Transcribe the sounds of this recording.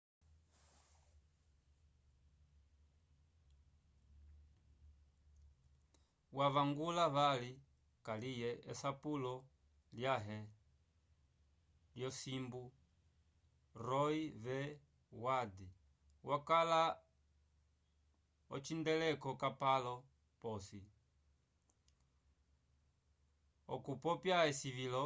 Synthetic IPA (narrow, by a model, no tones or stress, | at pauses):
wavaŋɡulaβali | kalijɛɛsapulɔ | ljaɦɛ | ljɔsimbu | ɾɔivɛ | wadi | wakala | ɔt͡ʃindɛlɛkɔkapalɔ | pɔsi | ɔkupɔpjaɛsivilɔ